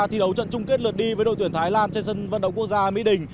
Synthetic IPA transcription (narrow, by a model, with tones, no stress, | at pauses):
t̪ʰi˨˩ɗə˨˦wt͡ɕə̰˧˨nt͡ɕʊ˧ŋ͡mki˦˥t̚lɨ˨˩ət̚ɗi˧vəː˨˦ɗo̰˧˨t̪i˧˩ənt̪ʰaː˨˦jlaː˧nt͡ɕɛ˧nsə˧nvə˧nɗə˧˨ŋ͡mku˥ək̚zaː˧mḭ˧˥ɗï˨˩ŋ̟